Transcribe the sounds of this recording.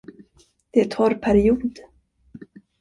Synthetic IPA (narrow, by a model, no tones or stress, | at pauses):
d̪̥ɛæt̪ʰɔɾpʰæɾɪuːd̪